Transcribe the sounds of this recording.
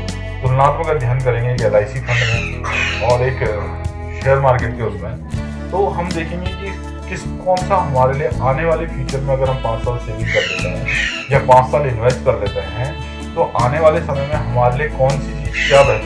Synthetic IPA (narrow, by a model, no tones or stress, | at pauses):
d̪ʊlnaːt̪məkad̪ʱjaːnkɐɾẽːɡeːkɛːlaːɪsifʰɐ̃ɳɖmẽɔːɾeːk | ʃeːəɾmaːɾkeːʈ̚keʊɾpɦɛ̃ | t̪oːɦɐmd̪eːkʰẽːŋɡeki | kɪskɔːnsaɦɐmaːɾelieʔaːneʋaːlepʰuːt͡ʃəɾmẽɐɡəɾɦɐ̃mpãːt͡ʃsaːlseːʋɪ̃ŋkɐɾd̪eːt̪eɦɛ̃ːjapãːt͡ʃsaːlɪ̃nʋesʈkɐɾd̪eːt̪eɦɛ̃ | t̪oʔaːneʋaːlesɐməjmẽɦɐmaːɾeliekɔːnsit͡ʃiːzkjaːbɦ